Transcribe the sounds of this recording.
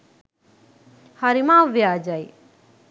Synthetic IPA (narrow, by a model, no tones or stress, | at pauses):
haɾimãʋjaːd͡ʒaj